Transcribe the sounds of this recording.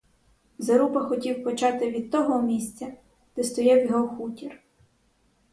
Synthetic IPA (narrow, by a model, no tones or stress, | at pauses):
zɐɾupɐxɔtʲiwpɔt͡ʃɑt̪ɪʋʲid̪̚t̪ːɔɦɔmʲisʲt͡sʲɐ | d̪̥ɛst̪ɔjɛwjɔɦɔxutʲir